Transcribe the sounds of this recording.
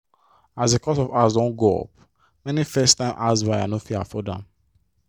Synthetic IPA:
azdekʰɔsɔvazdɔ̃nɡoɔ̰p̚ | mɛnifɛstãɪ̃mʔazwaɪanofiafɔdã̰m

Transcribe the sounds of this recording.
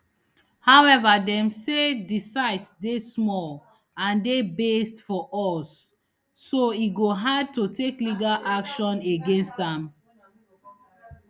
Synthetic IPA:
hawɛvadɛ̃msedisaɪtdesmɔl | ãndebestfɔʔɔsː | oiɡoɦad̚totekliɡalakʃɔ̃neɡẽnstãm

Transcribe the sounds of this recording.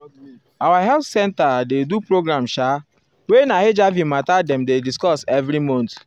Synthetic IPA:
awaɦɛltsɛ̃ntadedupɾoɡɾãmʃa | wenahed͡ʒavimatadɛ̃mdediskɔsɛvɾimɔ̃nt

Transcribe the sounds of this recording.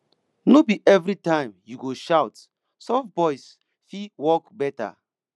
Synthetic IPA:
nobiʔɛvɾitãɪ̃mjuɡoʃaʊt | sɔfbɔɪs | fiwɔkbɛta̰

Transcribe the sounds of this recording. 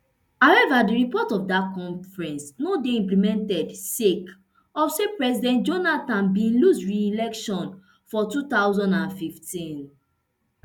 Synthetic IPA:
hawɛvadiɹipɔtɔfdakɔ̃ɱfɹɛ̃nsnodeĩmplimɛ̃ntɛdsek | ɔfsepɹɛsidɛ̃nt̚d͡ʒonatãnbĩnlusɹiilɛkʃɔ̃n | fɔtut̪aʊzɔ̃ndãnfiftĩn

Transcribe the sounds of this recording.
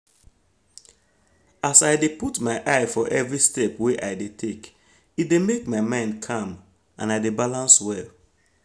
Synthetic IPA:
asaɪdeputmaɪʔaɪfɔʔɛvɹistɛpweʔaɪdetʰek | it̚demekmaɪmãɪ̃ndkʰãm | ã̰naɪdebalãnswɛl

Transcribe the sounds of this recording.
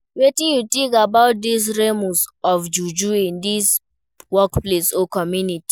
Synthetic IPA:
wetĩnjutĩkabaʊt̚d̪is̬ɹemusɔfd͡ʒud͡ʒuĩndis | wɔkplesɔkɔmjuniti̥

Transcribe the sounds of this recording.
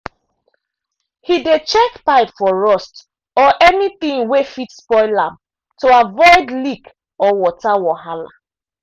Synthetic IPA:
hidet͡ʃɛkpaɪpfɔɹɔst | ɔʔɛniθĩŋwefitspɔɪlãm | toavɔɪdlik | ɔwɔtawɔhala̰

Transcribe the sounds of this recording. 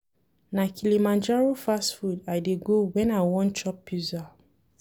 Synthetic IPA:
nakʰilimãnd͡ʒaɹofastfudajdeɡowɛ̃najwɔ̃nt͡ʃɔpːjuza

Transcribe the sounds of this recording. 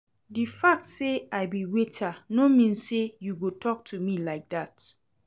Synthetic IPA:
difak̚tseaɪbiwetʰanomĩnsejuɡotʰɔk̚tʰumilaɪk̚dat

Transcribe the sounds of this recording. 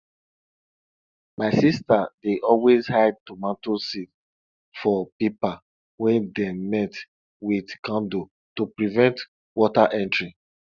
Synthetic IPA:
maɪsistadeʔɔlwezhaɪd̚tomãntosit | fɔpipa | wɛ̃ndemɛt | widkãndo | tupɹivɛ̃nt | wɔtaʔɛ̃ntɹi

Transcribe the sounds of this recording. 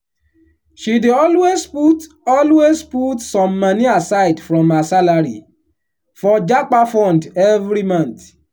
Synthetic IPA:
ʃideɔlwesput | ɔlwesputsɔ̃mːãnĩasaidfɾɔ̃masalaɾḭ | fɔd͡ʒak͡pafɔ̃ndɛvɾimãnt

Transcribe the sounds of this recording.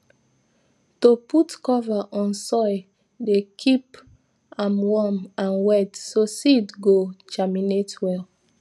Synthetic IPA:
toputkɔvaʔɔ̃nsɔj | dekʰip | ãmwɔmãnwɛtsositɡot͡ʃaminetwɛl

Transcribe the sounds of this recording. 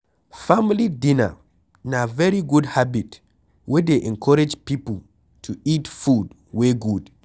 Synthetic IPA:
familidĩna̰ | navɛɹiɡudhabit | wɛdeʔɛ̃nkʰɔɹɛd͡ʒpipəl | tʰuitfud | weɡud̥

